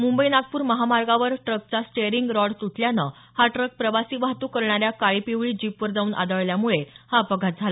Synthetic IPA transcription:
mumbəinaɡ̚puːɾməɦamaɾɡaʋəɾʈɾək̚t͡sasʈeɾiŋɡɾɔɽt̪uʈʰljanə | haʈɾək̚pɾəʋasiːʋaɦt̪ukəɾɳ̃aɾjakaɭipiʋɭiːd͡ʑipʋəɾd͡zauːnʔa̰d̪əɭljamuɭehapəɡʱat̪̚d͡zʱalə

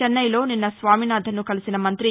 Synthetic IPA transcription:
ɛnːɐjlo̞ːninːɐsʋaːminaːd̪ʱɐnukɐlisinɐmɐnt̪ɾi

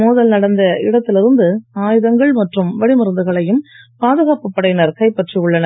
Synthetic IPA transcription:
moːðɐlnɐɽɐnd̪ɐɪɽɐt̪ːɪlɪɾɯnd̪ɯaːjɯðɐŋɡɐɭmɐʈrɯmʋɐɽimɪɾɯnd̪ɯɣɐɭɐjɯmpaːðɯɣaːpɯpːɐɽɐɪjnɐɾkɐɪpːɐʈrijɯɭːɐnɐ

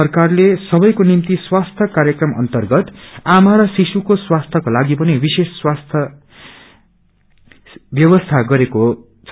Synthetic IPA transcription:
ʌrkarlesʌbʌjkonimt̪iswast̪ʰʌkaɾjʌkrʌmʌ̰nt̪ʌrɡʌt̪amaɾʌsisukoswast̪ʰʌkolaɡipʌnibisesːwast̪ʰʌ | bjʌbʌst̪ʰaɡʌɾeko | t͡sʰʌ

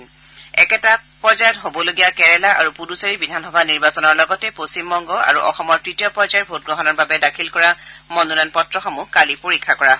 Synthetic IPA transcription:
ɛ̰kɛtapɔzajɔtɦobɔloɡijakɛɹɛlaʔaɹupudusaɹibidʱanxɔbʱaniɹbasɔnɔɹlɔɡɔtɛposimbɔŋɡɔa̰ɹuʔɔxɔmɔɹtɹitijɔpɹɔzajɔtbʱot̚ɡɹɔɦɔnɔɹbabɛdakʰilkɔɹamɔnunanpɔtɹɔxɔmukalipoɹikʰːakɔɹa

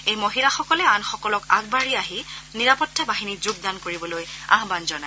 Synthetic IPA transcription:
ejmoɦilaxɔkɔlɛanxɔkɔlɔka̰ɡ̚baɹiaɦiniɹapɔtʰːɛbaɦinizuɡ̚d̪ankoɹibɔloja̰ɦbanzɔna

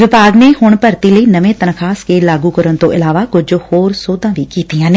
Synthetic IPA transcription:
ʋɪbʱaːɡneɦʊɽ̃pɐɾt̪iləiːnɐʋẽt̪ɐnkʰaːskʰeːlaːɡukɐɾəɽ̃t̪oʔɪlaːʋakʊd͡ʒhoːɾsoːd̪ãːʋikiːt̪ijãːnɪ

